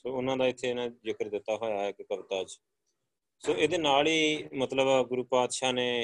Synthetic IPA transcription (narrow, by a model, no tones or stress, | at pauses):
soːʊnãːd̪aːɪt̪ʰːeːnãːzɪkəɾd̪ɪt̪ːaːɦoːjaːɪkkəbt̪aːd͡ʒ | soːʔeːd̪eːnaːliːmət̪ləbɡʊɾuːpaːd̪ʃaːneː